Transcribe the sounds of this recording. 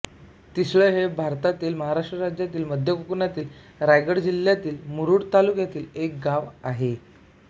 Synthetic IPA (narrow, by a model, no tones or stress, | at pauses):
t̪isɭəɦebʱaɾt̪at̪iːlməɦaɾaʂʈɾəɾad͡ʑjat̪iːlməd̪ʱjəkukunat̪iːl | ɾajɡəɽd͡ʑiljat̪iːlmuɾuːɽt̪alukjat̪iːlek̚ɡaʋaɦe